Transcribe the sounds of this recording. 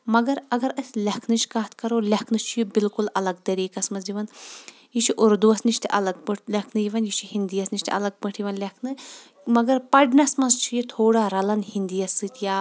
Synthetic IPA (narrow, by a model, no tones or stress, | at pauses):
mɐɡɐɾɐɡɐɾɐsʲlʲɐkʰnɨt͡ʃʰkaːt̪ʰkɐɾoːlʲɐkʰnɨt͡ʃʰijibilkulɐlɐɡt̪ɐɾiːkɐsmɐzd͡ʒiʋɐn | jit͡ʃʰiʔuɾd̪uɐsniʃt̪ʰiʔɐlɐɡ̚bɨʈʰlʲɐkʰnɨjiʋɐnjit͡ʃʰihind̪iɐsniʃʲt̪ʰʲɐ̰lɐɡ̚bɐʈʰjiʋɐnlʲɐkʰnɨ | mɐɡɐɾpɐɖnɐsmɐzt͡ʃʰijit̪ʰoːɽaɾɐlɐnhind̪ijɐsːɨt̪ʲʰjaː